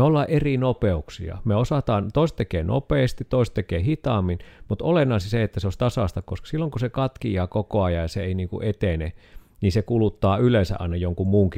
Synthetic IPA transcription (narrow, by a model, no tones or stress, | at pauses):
eolːɑːʔʔerinopeuksḭɑ̰meosɑt̪ɑːnt̪oˑist̪ekeːno̰peːˑst̪it̪toˑist̪ekeːhit̪ɑmːinmut̪olenːɑˑisiseet̪ːæseoˑsʲt̪ɑsɑˑst̪ɑkoskɑ̥silːoŋkusekɑt̪kiɑːkokoɑjɑjɑseeˑiniːŋkṵʔet̪eneniːsekulut̪ːɑːylensæ̰ʔɑ̰inɑjoŋkummuːŋki